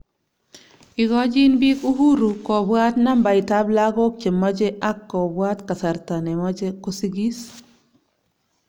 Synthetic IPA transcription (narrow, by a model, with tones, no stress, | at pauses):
i˨ɡɔ˦d͡ʒɪ˦nbi˦ku˦ɦu˦ɾu˨kɔ˨bwa˦tna˦mba˨i˨ta˦bla˦ɡɔ˦k̚t͡ʃe˨mːɔ˦d͡ʒe˦ʔa˦kːɔ˨bwa˦t̪ka˨sa˨ɾta˨ne˨mɔ˦d͡ʒe˦ko˦si˦ɡi˦s